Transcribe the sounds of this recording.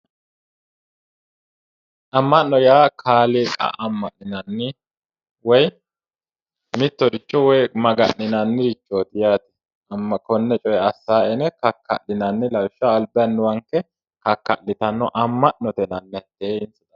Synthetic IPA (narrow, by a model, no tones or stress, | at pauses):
ʔɐmːɐnːɔjaːkʰaːliːkʼɐ̰ʔɐmːɐʔnɪnɐnːɪ | wɔj | mɪt̪ːɔɾɪt͡ʃːɔwɔjmɐɡɐʔnɪnɐnːɪɾɪt͡ʃːoːt̪ɪjaːt̪ɪ̥ | ɐmːɐkɔnːɛt͡ʃʼɔjɛɐsːaːɛnɛkɐkʰːɐ̰ʔːɪnɐnːɪlɐwʃɐːlbɪjɐnːʊwɐŋkːɛ | kɐkːɐlːɪt̪ɐnːɔʔɐmːɐʔnɔt̪ɛnɐnːɛt̪ːeːɪnt͡sɪd̪ɐ